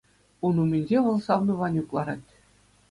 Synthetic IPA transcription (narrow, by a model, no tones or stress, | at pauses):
unumʲenʲd͡ʑʲeʋɤ̆lˠsɑʋnɤ̆ʋɑnʲuklˠɑɾɑt̪ʲ